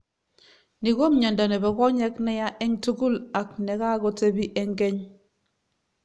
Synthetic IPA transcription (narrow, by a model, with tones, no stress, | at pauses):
ni˨ɡo˦mɲa˨nda˨nɛ˨bɛ˨ɡɔ˦ɲɛ˦knɛ˦ja˦ʔɛ˦ŋtu˦ɡu˦la˨knɛ˨ka˦ɡo˦te˦bi˦ʔɛ˦ŋɡɛ˦ɲ